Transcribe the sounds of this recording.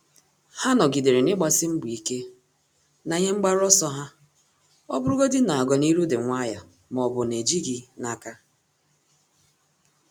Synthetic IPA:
ha˦nɔ˨ɡi˨de˨ɾe˨nɪ˦ɡ͡ba˨sɪ˦m̩˦bʊ˨i˨ke˦ | na˨ɲe˦ŋ͡m̩˦ɡ͡ba˦ɾɔ˦sɔ˦ɦa˦ | ɔ˦bʊ˦ɾʊ˦ɡo˦dɪ˦na˨a˨ɡɔ˨ni˦ɾu˦de˨ŋʷa˦ja˨ | m˨ɔ˨bʊ˨ne˨d͡ʒi˦ɡi˦na˦ka˦

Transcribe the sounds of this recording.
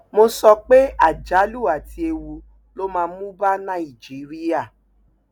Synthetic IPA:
mo˧sɔ˧k͡pe˦a˦˨d͡ʒa˨˦lu˦˨a˨ti˧e˧wu˧ | lo˦mãː˧˦mũ˦ba˦nã˦˨i˨d͡ʒi˨˦ɾi˦ja˦˨

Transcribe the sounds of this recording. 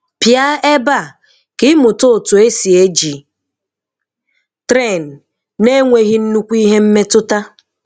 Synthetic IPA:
pja˦e˦ba˦˨ | kɪ˦mʊ˨to˦˨tʊ˨e˦si˨e˦d͡ʒi˨ | tɾe˦˨n˨ | ne˦ŋʷe˨ɣi˦n̩˦nu˦kʷi˦ɦe˦m̩˦me˦tʊ˦ta˦

